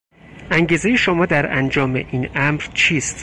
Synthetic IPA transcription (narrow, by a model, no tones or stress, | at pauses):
ʔæŋɟiːze̞je̞ʃomɒːd̪æɾʔænd͡ʒɒːme̞̰ʔiːnʔæmɾt͡ʃʰiːst̪